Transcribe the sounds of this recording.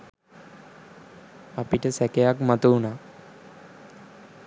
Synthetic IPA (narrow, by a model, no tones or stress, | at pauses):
apiʈəsɛkejakmat̪uuna